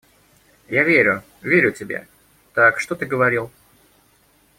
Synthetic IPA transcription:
javʲeɾʲʊ | vʲeɾʲʊtʲɪbʲḛ | t̪akʂt̪ot̪ɨɡəvɐɾʲilˠ

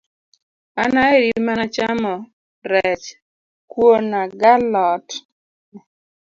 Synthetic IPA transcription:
anaeɾimanat͡ʃamɔ | ɾɛt͡ʃ | kwonaɡalɔt

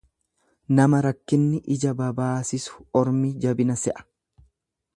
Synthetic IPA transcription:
nɐmɐɾɐkːɪnːɪʔɪd͡ʒɐbɐbaːsɪsʊ̥ɔɾmiːd͡ʒɐbɪnɐsɛʔɐ̥

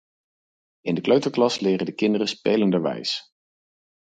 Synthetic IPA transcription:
ɪndəkløɥtəɹklɑslɪːrədəkɪndərəspejləndəʋɛ̰js

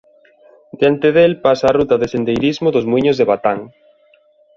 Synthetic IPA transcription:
d̪eant̪eðelpasaːrut̪ɐðesend̪ejɾizmʊðʊzmwiɲozðeβat̪aŋ

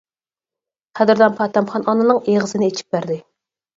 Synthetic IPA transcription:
χʰæd̪ɪɾd̪ɛnpʰɑːt̪ɛmχɑnɑnɨnɨŋeʁəzɨnɪet͡ʃʰi̥p̚bæɾd̪ɪ

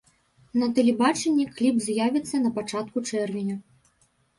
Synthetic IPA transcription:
nɐt̪ɐlʲɛbat͡ʂɛnʲːɛklʲibzʲjavʲit̪sːɐnɐpat͡ʂat̪kut͡ʂɛrvʲinʲɐ

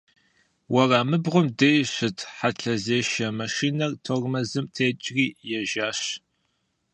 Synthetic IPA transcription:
wɐraːmɨbʁʷʊmdejɕʷɨtʰħaɬɐzeːʃɐmɐʃiːnɐrtʰormɐzɨmtʰeːt͡ʃʼriːjɛʒaːɕ

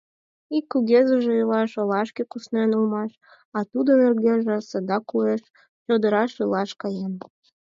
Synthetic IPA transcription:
ikːuɣʲezəʒeulɑʃolɑʃkekusnenulmɑʃ | ɑt̪ud̪onerɣʲeʒĕsəd̪ɑkueʃ | t͡ɕod̪əɾɑʃulɑʃkɑjem

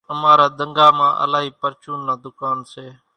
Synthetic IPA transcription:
əmaːɾaːd̪əŋɡaːmãːʔə̰laːɦiːpəɾt͡ʃuːnːaːd̪ʊkaːnseː

